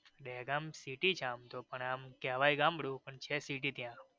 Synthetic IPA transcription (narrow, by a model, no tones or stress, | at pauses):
ɗɛɡamsiʈit͡ʃʰamt̪opəɳamkɛʋajɡãmbəɽjũpəɳt͡ʃʰesiʈ̬it̪jã